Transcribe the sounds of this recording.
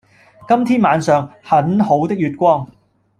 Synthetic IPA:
kɐ˥mt̪ʰiː˥nmaː˨˧nsœː˨ŋhɐ˨˥nho˨˥wt̪ɪ˥k̚jyː˨t̚kʷɔː˥ŋ

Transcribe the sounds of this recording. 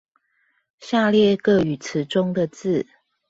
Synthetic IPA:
ɕja˥˧ljɛ˥˨kə˥˩y˨˩t͡s̩ʰ˨˦ʈ͡ʂʊ˦ŋd̪ə˨t͡sɹ̩˥˨

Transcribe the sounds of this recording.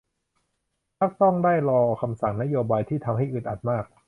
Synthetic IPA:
kʰa˦˥˩k̚t̪ɔ˥˩ŋdaː˥˩jɾɔː˧kʰa˧msa˨˩ŋna˦˥joː˧baː˧jt̪ʰiː˥˩t̪ʰa˧mɦa˥˩jʔɯ˨˩t̪ʔa˨˩t̪̚maː˥˩k̚

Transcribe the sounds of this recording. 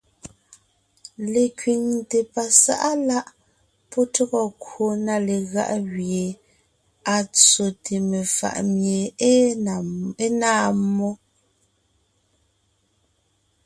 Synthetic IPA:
le˨kɥi˨ŋte˨pa˨sa̰˦ʔa˦la˦ʔ | pɔ˦tɔ˦ɣɔ˦kwo˨na˨le˨ɣa̰˦˨ʔɣje˨ | a˨t͡so˨tʰe˨me˨fa̰˨ʔmje˨˦ | e˦naː˦˨mɔ˦

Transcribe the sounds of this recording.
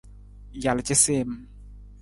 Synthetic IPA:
ja˨lt͡ʃe˦se˦˨m

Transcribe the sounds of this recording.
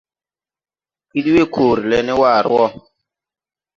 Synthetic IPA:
i˦di˦we˦˨kʰoː˨ɾi˨lɛ˨˦nɛ˦waː˦˨ɾ̰ɔ˦

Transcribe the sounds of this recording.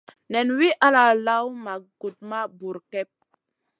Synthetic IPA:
nɛ˨nwi˦ʔa˦la˨la˦wma˨ɡ̥u˨t̚ma˦bu˨ɾkɛ˦p̚

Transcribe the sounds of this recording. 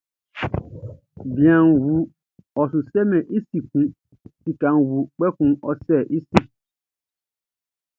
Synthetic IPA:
bĩ˨ã˨nwu˨ | ɔ˨sʊ˨sɛ˦mɛ̃˨ʔi˦si˨kũ˦ | si˨kã˨nwu˨k͡pɛ˦kũ˨ɔ˨sɛ˦˨ʔi˦si˨

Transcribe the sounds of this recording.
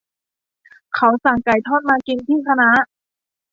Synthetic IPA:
kʰa˨˦˥wsa˨˩ŋka˨˩jt̪ʰɔː˥˩t̪̚maː˧ki˧nt̪ʰiː˥˩t̪ʰa˧na˦˥

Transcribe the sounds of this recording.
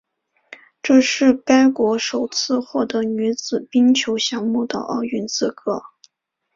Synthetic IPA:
ʈ͡ʂɤ˥˧ʂɻ̩˥˩ka˥ɪkwɔ˧˥ʂo˨˩ʊt͡sʰɹ̩˥˧xwɔ˥˩t̪ɤ˧˥ny˧˥t͡sɹ̩˨˩pi˥ŋt͡ɕʰjo˧˥ʊɕjɑ˧˥ŋmu˥˩d̪ə̰˩ʔɑ̰˥˩ʊy˧˥nt͡sʰɹ̩˥˩kʰɤ˥

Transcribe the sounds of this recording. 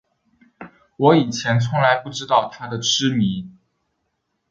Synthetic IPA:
wɔ˧˥i˨˩t͡ɕʰjɛ˧˥nt͡sʰʊ˧˥ŋla˧˥ɪpu˥˩ʈ͡ʂɻ̩˥t̪ɑ˥˩ʊt̪ʰa˥d̪ə˨ʈ͡ʂɻɻ̩˥mi˧˥˦

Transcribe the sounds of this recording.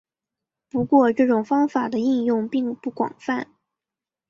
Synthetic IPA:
pu˧˥kwɔ˥˧ʈ͡ʂɤ˥˩ʈ͡ʂʊ˨˩ŋfɑ˥ŋfa˨˩d̪ə˦i˥˧njʊ˥˧ŋpi˥˧ŋpu˥˩kwɑ̰˨˩ŋfa˥˩n

